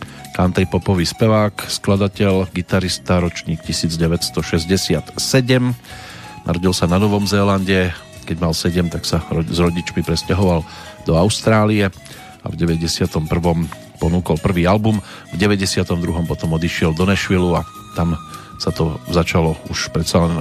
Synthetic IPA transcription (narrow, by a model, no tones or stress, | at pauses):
kant̪ɛjpɔpɔʋiːspɛʋaːksklad̪acɛʎɡit̪aɾist̪aɾɔt͡ʃɲiːkcisiːd͡zɟɛʋɛcst̪ɔʃɛzɟɛsɪat̪sɛɟɛm | na̰ɾɔɟilsananɔʋɔmzɛːlanɟɛ | kɛɟmalsɛɟɛmt̪aksazɾɔɟit͡ʃmipɾɛscaɦɔʋal | d̪̥ɔaʊst̪ɾaːliɛ | a̰vɟɛʋɛɟɛsɪat̪ɔmpr̩ʋɔm | pɔnuːkɔlpr̩ʋiːalbum | vɟɛʋɛɟɛsɪat̪ɔmd̪ɾuɦɔmpɔt̪ɔmɔd̪iʃɪɛld̪ɔnɛʃʋilua | t̪am | sat̪ɔzat͡ʃalɔuʃpɾɛt̪salɛn